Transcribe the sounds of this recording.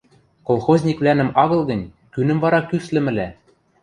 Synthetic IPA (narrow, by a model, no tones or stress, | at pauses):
kolˠxozʲnʲikvlʲænɘ̆mɑɣɤ̆lˠɡɤ̆nʲ | kynɘ̆mvɑɾɑkyslɘ̆mɘ̆læ